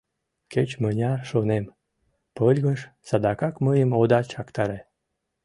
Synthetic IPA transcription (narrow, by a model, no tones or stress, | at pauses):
ket͡ɕmənʲɑrʃonem | pəlʲɣəʃsɑd̪ɑkɑkməjəmod̪ɑt͡ɕɑkt̪ɑɾe